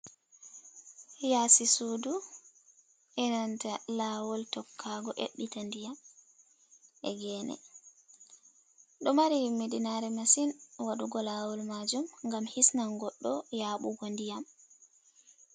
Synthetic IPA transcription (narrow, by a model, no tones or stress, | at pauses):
jasisudu | ʔɛnantalaːwɔltɔkʰːaɡɔʔḛɗːitandijam | ʔɛ̰ɡɛːnɛ̰ | ɗɔmaɾimeɗinaɾɛmasinwaɗuɡɔlawɔlmad͡ʒumŋɡamhisnaŋɡɔɗːɔjaːɓṵɡɔndijam